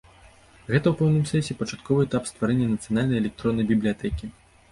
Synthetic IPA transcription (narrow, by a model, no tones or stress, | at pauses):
ɣɛt̪ɐwpɛwnɨmsʲɛsʲɛpɐt͡ʂat̪̚kɔvɨɛt̪apst̪vaɾɛnʲːɐnɐt̪sɨjanalʲnɐjɛlʲɛk̚t̪ɾɔnːɐjbʲiblʲijat̪ɛkʲi